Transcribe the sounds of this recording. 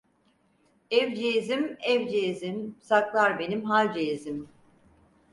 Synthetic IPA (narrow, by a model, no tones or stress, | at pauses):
ɛvd͡ʒezimɛvd͡ʒeːzimsaklˠaɾbe̞nimɦalʲd͡ʒezim